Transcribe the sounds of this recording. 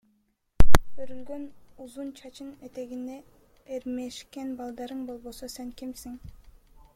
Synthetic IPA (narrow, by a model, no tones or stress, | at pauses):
bøɾylɡønuzunt͡ʃʰɑt͡ʃʰɯnet̪e̞ɡind̪e | eɾmeʃkenbɑlˠd̪ɑɾɯɴbo̞lˠbososeŋkimsiŋ